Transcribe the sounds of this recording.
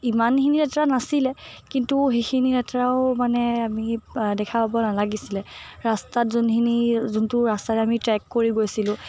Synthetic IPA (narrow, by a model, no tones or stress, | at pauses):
imanxinidɛtɹanasilɛkintuɦexʰinidɛtɹaʊmanɛamidɛkʰapabɔnalaɡisilɛɹastatzonxinizuntʊɹastaɹɛamitɹɛkːoɹiɡojsilʊ̃